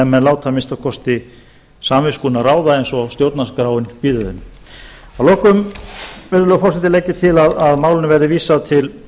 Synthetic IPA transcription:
ɛmːɛnlaːwt̪ʰamɪnst̪akʰɔst̪ɪ | saːmvɪskuːnaraːwðaejnsɔst̪jowɾt̪naskɾaːwɪnpiːðʏðɪm | awlɔːkʏmvɛɾðʏlœːɣfɔrsɪt̪ɪlejcːɪt̪ʰɪlaðaðmaːwlɪnʏvɛɾðɪviːsaðt̪ʰɪl

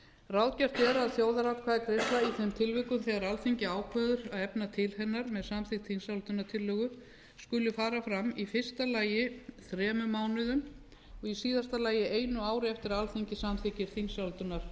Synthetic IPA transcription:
rawt̪cɛr̥t̪ɛːɾaðθjoːwðaɾawt̪kʰvaːðɪkɾeslaiθɛmt̪ʰɪlvɪkʏmθɛɣaɾalθeɲcɪaːwkʰvœːðʏɾaðɛpnat̪ʰɪlhɛnːaɾmɛðsamθɪkt̪θiŋsawlt̪ʏnːaɾt̪ʰɪlːœːɣʏ | skʏlːʏfaːɾafɾamifɪr̥st̪alaːjɪθɾɛːmʏmaːwnʏðʏm | ɔɣisiːðast̪alaːjɪʔeːjnʏaːwɾɪɛft̪ɪɾalθeɲcɪsamθɪcɪɾ̥θiŋsawlt̪ʏnːaɾ̥

